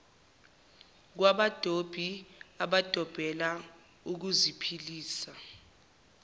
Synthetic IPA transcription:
k̬waɓad̥ʱob̥ʱiaɓad̥ʱɔb̥ʱɛla | uk̬uzipʰiliːsa

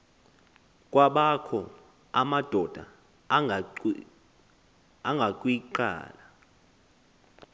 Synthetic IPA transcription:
kʼwaɓakʰɔ | amad̥ʱɔd̥ʱa̰ | aŋɡʱakʼwiǃa̰ːla

